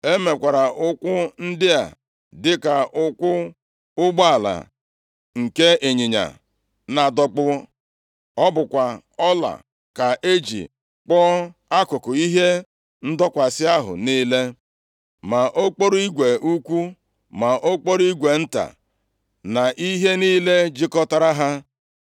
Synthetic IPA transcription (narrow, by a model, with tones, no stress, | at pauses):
e˦me˨kʷa˨ɾa˨ʔʊ˦kʷʊ˦n̩˦dɪ˦a̰˨ | dɪ˦ka˨ʔʊ˦kʷʊ˦ | ʊ˦ɡ͡ba˦a˨la̰˨ | ŋ̩˨ke˦e˨ɲi˨ɲa̰˨ | na˨dɔ˦k͡pʊ˦ | ɔ˦bʊ˨kʷa˨ɔ˦la̰˨ | ka˨ʔe˦d͡ʒḭ˨ | k͡pɔ˦a˦kʊ˨kʊ˨i˦ɦe˦ | n̩˦dɔ˦kʷa˨sɪ˦a˦ɦʊ̰˨niː˦le˦ | ma˨ʔo˦k͡po˦ɾu˦i˦ɡʷe˨ʔu˦kʷu˦ | ma˨ʔo˦k͡po˦ɾi˦ɡʷe˨n̩˦ta̰˨ | na˨ʔi˦ɦe˦niː˦le˦d͡ʒi˦kɔ˦ta˦ɾa˦ɦa˦